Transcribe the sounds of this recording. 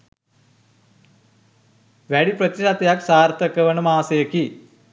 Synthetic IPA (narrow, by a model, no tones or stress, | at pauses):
ʋæɽiprɐt̪iʂat̪ɐjaksaːɾt̪ɐkɐʋɐnɐmaːsɐjɐki